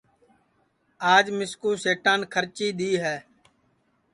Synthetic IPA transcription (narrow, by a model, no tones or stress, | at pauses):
aːd͡ʒmɪskuːseːʈãːnkʰəɾt͡ʃiːɗ̪iːɦɛː